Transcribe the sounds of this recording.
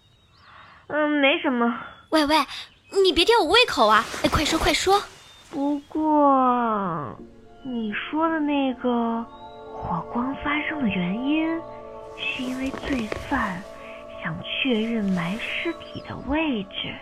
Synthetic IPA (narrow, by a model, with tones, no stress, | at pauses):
me˧˥ɪʂə˧˥nmə˧we˥˧ɪwe˥˩ɪ | ni˨˩pjt͡ɕ̪ɛ˧˥jo˨˩ʊwe˥ɪkʰo˨˩ʊɐ˧˦e˥˩kʰwa˥˩ɪʂwɔ˥kʰwa˥˩ɪʂwɔ˥ | pu˧˥kwɔ˥˩ | ni˨˩ʂwɔ˥d̪ə˨ne˥˩ɪɡə˩xwɔ˨˩kwɑ˥ŋfa˥ʂɤ˥ŋd̪ə˨ɥɛ˧˥ni˥n | ʂɻ̩˥˩i˥nwe˥˧ɪt͡swe˥˧ɪsa˥˩n | ɕjɑ˨˩ŋt͡ɕʰɥɛ˥˧ɻə˥˩nma˧˥ɪʂɻ̩˥t̪ʰi˨˩d̪ə̰˦we˥˧ɪʈ͡ʂɻ̩˨˩